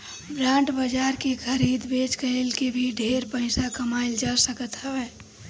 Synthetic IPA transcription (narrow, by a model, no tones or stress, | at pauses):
bɾãːɳʈbəd͡ʒaːɾkekʰəɾiːd̪beːt͡ʃkəelkebʱiɖʱeːɾpəɪsakɐmaːɪld͡ʒaːsəkət̪ɦɛɛː